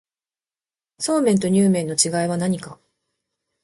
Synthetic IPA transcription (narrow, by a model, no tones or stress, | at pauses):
so̞ːmẽ̞nt̪̬o̞ɲ̟ʲɨːmẽ̞nːo̞t͡ɕiɡaiβ̞anaɲ̟ika